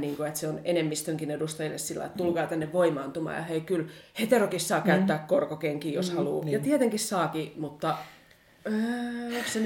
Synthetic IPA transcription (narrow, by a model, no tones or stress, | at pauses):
niːŋkoet̪seonenemːist̪øŋkinedust̪ɑilḛssilːɑ̰ḭḛt̪t̪ulkɑːt̪ænːeʋʋoimɑɑnt̪umɑ̰ːjɑ̰heikylhet̪erokissɑːkæyt̪ːæːkkorkokeŋkiːjoshɑlṵːjɑt̪iet̪eŋkissɑːkimut̪ːɑ | øːokssen